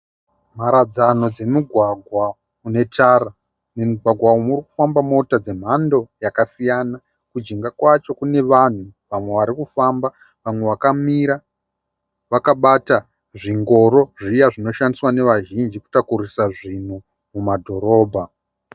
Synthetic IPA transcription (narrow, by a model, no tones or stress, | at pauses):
m̤aɾad͡zano̞d͡ze̞muɡʱwaɡʱwa | une̞tʰara | nemuɡʱwaɡʱwaumuɾiku̥fambamo̞tad͡ze̞m̤ando̞jakasijana | kud͡ʒiŋɡakwat͡ʃo̞kune̞ʋan̤uʋamwe̞ʋaɾikufamba | ʋamwe̞ʋakamiɾa | ʋakaɓata | ʐiŋɡo̞ɾo̞ʐijaʐino̞ʃandiswane̞ʋaʒind͡ʒiku̥takuɾisaʐin̤u | mumadʱo̞ɾo̞ːbʱa